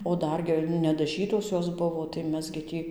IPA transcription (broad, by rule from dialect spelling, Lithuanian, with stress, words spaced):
oː ˈdɐr ɡʲɪ nʲɛdɐˈʒʲiːtoːs ˈjoːs ˈbʊʋoː tɐɪ ˈmʲɛs ɡʲɪ ˈtʲiː